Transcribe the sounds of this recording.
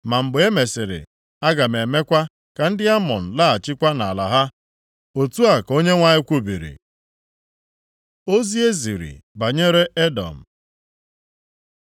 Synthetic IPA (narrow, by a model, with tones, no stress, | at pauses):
ma˨m̩˨bʊ˨˦e˦me˨sɪ˨ɾɪ̰˨ | a˦ɡa˨m˨e˨me˦kʷa˦ | ka˨n̩˦dɪ˦a˦mɔ̰˨n̩˨la˦a˨t͡ʃɪ˦kʷa˦na˨la˨ɦa˦ | o˨tu˦a˨ko˦ɲe˦ŋʷa˦ɲɪ˦kʷu˦bi˨ɾḭ˨ | o˦zi˦e˦zi˨ɾḭ˨ba˨ɲe˦ɾe˦e˦dɔ̰˨m̩˨